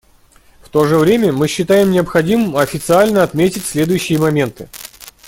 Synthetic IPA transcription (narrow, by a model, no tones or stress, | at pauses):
ft̪o̞ʐɨvɾʲemʲəmɨɕːɪt̪ajɪmnʲɪəpxɐdʲimɨmɐfʲɪt̪sɨalʲnəɐt̪mʲetʲɪtʲsʲlʲe̞d̪ʊjʉɕːɪjəmɐmʲe̞nt̪ɨ